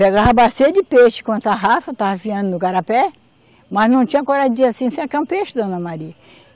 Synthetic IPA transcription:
peɡaɦɐbasiɐd͡ʒɪpeʃɪ̥kõt̪aɦafɐt̪avɐfiɐ̃nd̪ʊnʊkaɾapɛ | mɐznɐ̃w̃t͡ʃĩɲ̃ɐkoɾad͡ʒiasĩsẽɐkɐ̃peʃɪd̪õnɐmaɾiɐ

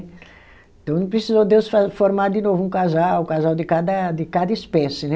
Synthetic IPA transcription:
ẽt̪ɐ̃w̃nũpɾesizod̪ewsfafoɾmaɾd̪ɪnovʊũkazawkazawd̪ɪkad̪ɐd̪ɪkad̪ɐispɛsɪnɛ

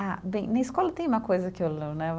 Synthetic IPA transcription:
abẽj̃nɐiskɔlɐt̪ẽj̃ũmɐkojzɐkɪelenɛv

